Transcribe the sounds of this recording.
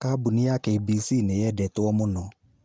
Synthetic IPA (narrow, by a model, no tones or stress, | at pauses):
kabunɪakejbiːsiːnejɛdɛtʊɔmonɔ